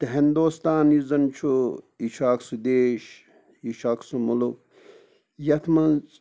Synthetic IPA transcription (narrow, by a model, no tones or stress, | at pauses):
t̪ɐɦind̪uːst̪aːnizɐnt͡ʃʰu | iʃʰaːksud̪eːʃ | iʃaːksumuluk̚ | jɐt̪ʰmɐnt͡s